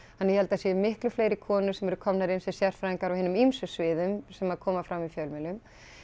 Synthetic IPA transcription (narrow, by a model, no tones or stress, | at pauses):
hanːɛjɛhɛlt̪asjɛmɪhklʏfleːjɾɪkʰɔːnʏsɛmɛɾʏkʰɔmnaɾɪnsɛsjɛr̥t̪fɾaiŋkaɾawhɪnʏmimsʏsvɪːðʏmsɛmaðkʰɔːmafɾamːifjœlmɛlʏm